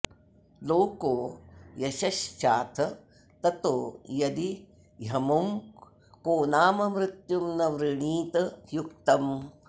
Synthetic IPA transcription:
loːkoːjɐʃɐʃt͡ʃaːt̪ʰɐ | t̪ɐt̪oːjɐd̪i | jɐmɐm | koːnaːmɐmɾɪt̪jumnɐʋɾɪɳiːt̪ɐjukt̪ɐm

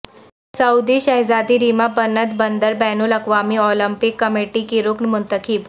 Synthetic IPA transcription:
sɐud̪iɕɐɦzad̪iɾimabənət̪bənd̪əɾbɛnulɐkʋamiɔlimpikːəmeʈikiɾuknmʊnt̪əkʰiːb

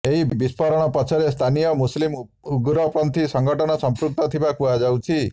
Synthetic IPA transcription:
eɦibbispʰɔɾɔɽ̃ɔpɔt͡ʃʰɔɾest̪ʰanijɔmuslim | uɡɾɔpɾɔnt̪isɔŋɡʱɔʈɔñɔsɔmpɾuk̚t̪ɔt̪ʰibakuad͡ʒawt͡ʃʰi

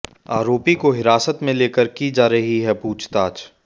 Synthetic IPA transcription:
aːɾoːpikoɦɪɾaːsət̪mẽleːkəɾkid͡ʒaːɾɐɦiɦɛpuːt͡ʃʰt̪aːt͡ʃ

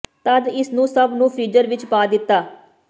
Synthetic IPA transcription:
t̪əd̪ɪsnũːsəbnũːpʰiːd͡ʒəɾʋɪt͡ʃpaːd̪ɪt̪ːaː

